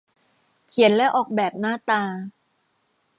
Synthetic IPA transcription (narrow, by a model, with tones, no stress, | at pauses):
kʰi˩˦ənlɛ˦˥ʔɔː˨˩k̚bɛː˨˩p̚naː˥˩t̪aː˧